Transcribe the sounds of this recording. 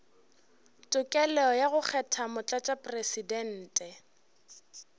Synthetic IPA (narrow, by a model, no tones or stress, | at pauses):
tʼʊkʼɛlɛɔjaɣʊk͡xʰɛtʰamʊt͡ɬʼat͡ʃʼapʼresidɛn̩ːtʼɛ